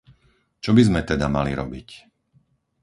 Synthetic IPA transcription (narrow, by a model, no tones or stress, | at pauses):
t͡ʃɔbizmɛt̪ɛd̪amalḭɾɔbic